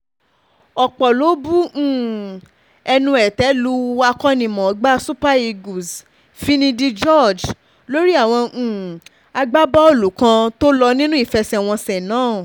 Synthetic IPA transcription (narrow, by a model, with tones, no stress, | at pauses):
ɔ˨k͡pɔ˨lo˨˦bũ˦˨ | ɛ˧nũ˧ɛ˨tɛ˨˦lu˦a˧kɔ˦nĩ˨mɔ̃˨˦ɡ͡ba˦su˦pa˦i˧ɡu˨s | fi˦nĩ˧di˦d͡ʒɔ˦˨d͡ʒ | lo˦ɾi˦a˦˨w̃ɔ̃˧˨ | a˧ɡ͡ba˦bɔ˦o˦˨lu˨kã˧to˦lɔ˧nĩ˦nũ˦i˦˨fɛ˧sɛ˧˨w̃ɔ̃˧sɛ˨nãː˨˦˨